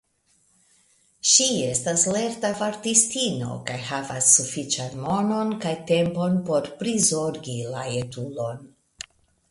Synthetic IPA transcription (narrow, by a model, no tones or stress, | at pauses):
ʃie̞stasle̞ɾtavaɾtistino̞̰kajhavasːufit͡ʃanmo̞no̞nkajte̞mpo̞npo̞ɾpɾizo̞ɾɡila̰etulo̞n